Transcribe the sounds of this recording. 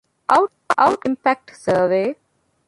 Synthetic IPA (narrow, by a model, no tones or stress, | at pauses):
ʔaʊ | aʊʈɪ̃mpæk̚ʈsəɾʋeː